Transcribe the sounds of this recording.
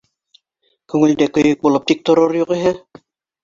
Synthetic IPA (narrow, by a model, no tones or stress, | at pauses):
kɵŋɵ̆lʲd̪ɛkɵ̆jɘk̚bulˠop̚t̪ik̚t̪oɾoɾjuʁiɦɘ